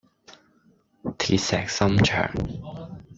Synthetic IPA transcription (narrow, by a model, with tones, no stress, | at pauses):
t̪ʰiː˨˩t̚sɛː˨k̚sɐ˥mt͡ʃʰœ̰ː˨˩ŋ